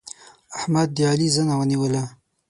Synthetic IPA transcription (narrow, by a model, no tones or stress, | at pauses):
aħmad̪̚ːializanawəniwəla